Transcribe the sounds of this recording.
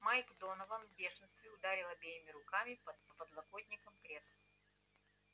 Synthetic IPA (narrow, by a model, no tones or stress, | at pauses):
majkd̪onəvənvbʲeʂɨnst̪vʲɪʊd̪aɾʲɪlˠəbʲejɪmʲɪɾʊkamʲɪpəpəpəd̪lˠɐkot̪ʲnʲɪkəmkɾʲesə